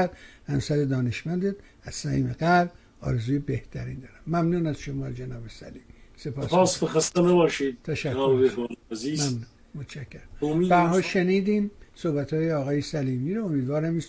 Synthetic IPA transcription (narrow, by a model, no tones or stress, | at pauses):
æd̪̥hæmsæɾed̪ɒːneʃmænd̪ed̪ | æz̥sæhḭːmeɡæɾb | ɒ̰ːɾezuːjebeht̪ʰæɾḭːnd̪ɒːɾæmːæmnuːnæz̥ʃomɒːd͡ʒenɒːbesæ̰liːmisepɒːspɑːsbexɑst̪enabɒːʃiːd̪̚t̪ʰæʃæknːobehlziːzmæmnuːnmot̪t͡ʃʰækʰːeɾæmomibæɾɦɒːlʃeniːd̪iːmsohbæt̪hɒːjeɒːɣɒːjesæliːmiːɾoomiːd̪vɒːɾæmis